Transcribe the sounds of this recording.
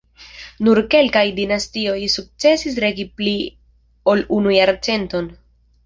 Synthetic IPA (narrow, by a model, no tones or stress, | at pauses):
nuɾke̞lkajdinastio̞jsuk̚t͡se̞sis̬ɾe̞ɡipli | o̞lunujaɾt͡se̞nto̞n